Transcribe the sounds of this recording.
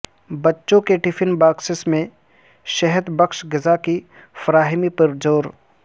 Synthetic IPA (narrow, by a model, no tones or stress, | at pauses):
bɐtːʃõkeʈɪfʰɪnbaːksɪsmẽ | ʃɐɦəd̪bɐkʃɡɪzaki | fɐɾaːɦɪmipəɾd͡ʒoːɾ